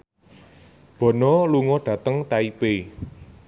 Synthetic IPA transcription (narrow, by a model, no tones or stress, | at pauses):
b̥ɔ̤nɔluŋɔɖ̥ä̤t̪əŋt̪aipe